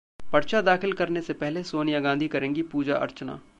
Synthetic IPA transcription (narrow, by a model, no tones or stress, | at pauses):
pɐɾt͡ʃad̪aːxɪlkɐɾnesepɛɦlesoːnɪjaɡãːnd̪ʱikɐɾẽːŋɡipuːd͡ʒa̰ʔɐ̰ɾt͡ʃna̰ː